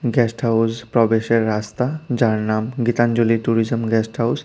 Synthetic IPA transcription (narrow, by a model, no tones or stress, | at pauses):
ɡɛsʈhawzpɾɔbeʃeɾːast̪ad͡ʒaɾnamɡit̪and͡ʒuliʈuɾizəmɡɛsʈhaws